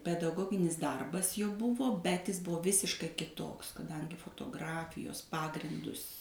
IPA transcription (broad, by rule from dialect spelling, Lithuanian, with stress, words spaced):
pʲɛdɐˈɡoːɡʲɪnʲɪs ˈdɐrbɐs jɛʊ ˈbʊʋoː ˈbʲɛt ˈɪs ˈbʊʋoː ˈʋʲɪsʲɪʃkɐɪ kʲɪˈtoːks kɐˈdɐŋʲɡʲɪ foːtoːˈɡrɑːfʲɪjoːs ˈpɑːɡrʲɪndʊs